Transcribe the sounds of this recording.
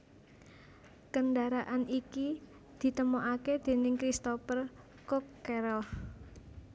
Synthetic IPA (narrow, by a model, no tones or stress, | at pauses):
kənɖaɾaʔaniki | d̪̥i̤t̪əmoʔaked̪̥e̤nɪŋkɾist̪opər | kɔkːɛɾɔl